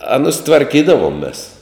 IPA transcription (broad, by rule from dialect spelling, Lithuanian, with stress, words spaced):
ˈɑːnʊs tʋɐrʲˈkʲiːdɐʋoːm mʲeːs